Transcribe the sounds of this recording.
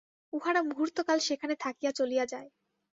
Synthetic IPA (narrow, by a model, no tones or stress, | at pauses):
uɦaɽamuɦuɾt̪okalʃekʰanet̪ʰakijat͡ɕolijad͡ʑae